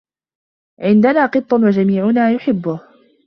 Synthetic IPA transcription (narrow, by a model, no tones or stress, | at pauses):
ʕɪnd̪anaːqɨt̪ˤːɑnwad͡ʒamiːʕʊnaːjʊħɪbːʊh